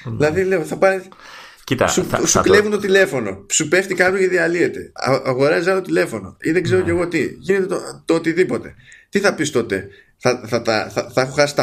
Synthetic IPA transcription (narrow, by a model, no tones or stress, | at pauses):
ðilɐðile̞o̞θɐpɐ | cit̪ɐ̰susukle̞vunt̪o̞t̪ile̞fo̞no̞supe̞ft̪ikɐpɾoceðiɐlie̞t̪e̞̰ɐ̰ɐɣo̞ɾɐzzɐlot̪ot̪ile̞fo̞no̞̰iðeɡze̞ɾo̞ce̞ɣo̞t̪iʝine̞t̪et̪ot̪ot̪iðipo̞t̪e̞t̪iθɐpist̪o̞t̪e̞̰ | θɐθɐt̪ɐ̰θɐθɐexoxɐsi̥t̪ɐ